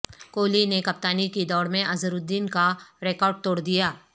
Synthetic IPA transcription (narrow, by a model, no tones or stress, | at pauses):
koːlinekɐp̚t̪aːnikid̪ɔːɾmẽʔɐzəɾʊd̪ːiːnkaɾeːkɔːɾɖ̚t̪oːɽd̪ijaː